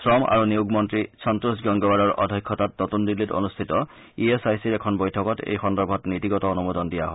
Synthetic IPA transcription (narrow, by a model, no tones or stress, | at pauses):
sɹɔma̰ɹuniuɡmɔntɹisɔntɹusɡɔŋɡɔbaɹɔɹʔɔ̰dʱɔkʰːɔtatnɔtundilːito̰nustʰitɔ | iesajsiɹɛkʰɔnbojtʰɔkɔtḛjxɔndɔɹbʱɔtnitiɡɔtɔːnumɔdɔndijaɦɔ